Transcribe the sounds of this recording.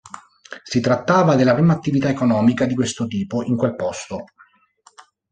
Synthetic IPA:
sit̪ɾat̪ːaːvad̪elːapɾiːmaːt̪ːivit̪aekonɔːmikad̪ikwest̪ot̪iːpoiŋkwelpɔst̪o

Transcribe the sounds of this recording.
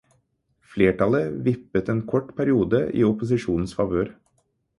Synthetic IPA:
fleːʈɑləʋɪpət̪eːnkʰɔʈpʰæɾɪuːd̪əʔḭːɔpʊs̬ɪʂuːnn̩sfɑʋøːɾ

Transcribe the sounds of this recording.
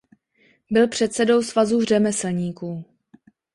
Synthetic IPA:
bɪlpr̝̥ɛt̪sɛdo̞wsvazur̝ɛmɛsl̩ɲiːkuː

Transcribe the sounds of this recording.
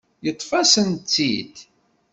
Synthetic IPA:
jət̪ˤːfæsənt̪ːid̪

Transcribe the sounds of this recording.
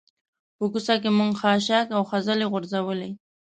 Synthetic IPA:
pəkusak̬emuŋɡxɑʃ̬akawxazaleɣʊɾzawəle

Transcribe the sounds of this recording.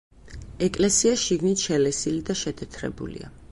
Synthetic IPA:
ɛkʼlɛsiaʃiɡnit̪ʰʃɛlɛsilid̪aʃɛt̪ʰɛt̪ʰɾɛ̰bṵlḭa̰

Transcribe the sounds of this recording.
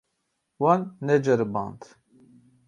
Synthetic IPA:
wanːɛd͡ʒɛɾbɑ̰nt̪

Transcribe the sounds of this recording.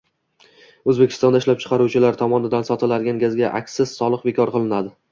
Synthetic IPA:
ɵzbekʲʰɪ̥st̪ɒnd̪aɪʃlap̚t͡ʃʰɨ̥qʰɑɾuwt͡ʃʰɪlaɾt̪ʰɒmɒnɪd̪ansɒt̪ʰɪlaɾɡʲanɡʲazɡʲaʔa̰kʲsɪz̥sɒlˠɨqbekʰɒɾqʰɨlˠɪnad̪ɪ

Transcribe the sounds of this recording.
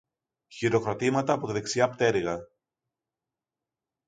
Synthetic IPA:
çiɾo̞kɾot̪imɐt̪ɐːpo̞t̪ɐðeksiɐpt̪eɾiɣɐ

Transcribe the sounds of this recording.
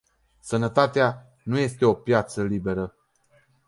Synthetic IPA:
sənət̪at̪ea | nuje̞st̪e̞o̞pjat̪səlibe̞ɾə

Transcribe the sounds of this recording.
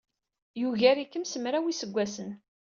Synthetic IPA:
juʝæɾikːəmsəmɾæwisəɡʷːæsən

